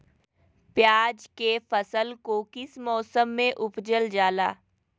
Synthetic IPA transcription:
pjaːd͡ʒkefəsəlkokɪsmɔːsəmːẽʔʊpd͡ʒəld͡ʒaːla̰ː

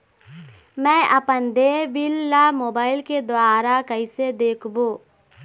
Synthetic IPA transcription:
mɛ̃ːʔɐpənd̪eːbɪlːamoːbaːɪlked̪ʊaːɾakɐɪsed̪eːkʰboː

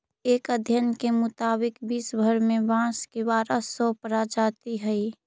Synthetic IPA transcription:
eːkəd̪ʱjənkemʊt̪aːbɪkbiːsbʱəɾmẽbãːskebaːɾəsɔpɾad͡ʒaːt̪iɦəi

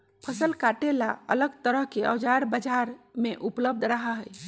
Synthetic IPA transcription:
pʰəsəlkaʈela̰ə̰ləɡt̪əɾəɦkeə̰wd͡ʒaɾbəd͡ʒaɾmeʔupləb̚d̪ʱɾaɦaɦəj

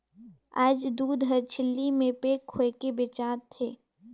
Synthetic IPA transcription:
a̰ːd͡ʒd̪uːd̪ɦəɾt͡ʃʰɪlːimẽpeːkhoekebɪt͡ʃaːt̪ʰːeː

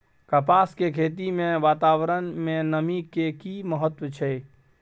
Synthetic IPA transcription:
kəpaːskekʰeːt̪̬imẽʋaːt̪aːwɾənmẽnəmikekiməɦət̪wət͡ʃʰe

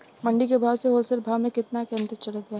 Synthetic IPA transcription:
mɐ̃ɳɖikebʱaːʋseɦoːlsəɾbʱaːʋmẽkɪt̪nakɛ̃nd̪ət͡ʃɐlət̪a

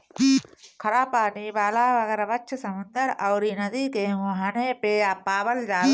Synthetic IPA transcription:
kʰɐɾaːpaːniːbaːlaːʋɐɡɛːɾaʋɐt͡ʃʰɐsɐmʊnd̪ɐɾɐwɾiːnɐd̪iːkeːʋɐɦaneːpeːaːpːaːbɐld͡ʒaː

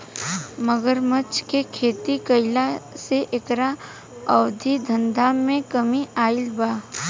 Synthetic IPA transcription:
məɡəɾmət͡ʃkekʰeːt̪ikɐɪlaseʔekɾa | ɔːd̪ʱid̪ʱɐ̃nd̪ʱamẽkəmiaːɪlbaː

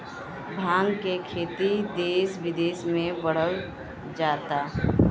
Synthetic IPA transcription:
bʱãːŋɡkekʰeːt̪id̪eːsʋɪd̪eːsmẽbəɽ̤əl | d͡ʒaːt̪aː

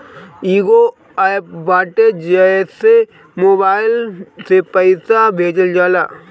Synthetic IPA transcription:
iːɡo | aːɪpbaːʈed͡ʒiaesːe | moːbaːɪlsepəɪsabʱeːd͡ʒəld͡ʒaːla̰ː

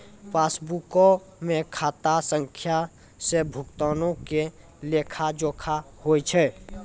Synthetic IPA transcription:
paːsbuko | mẽkʰaːt̪asə̃ŋkʰja | sebʱʊkt̪aːnõke | leːkʰad͡ʒoːkʰahoːit͡ʃʰɛ

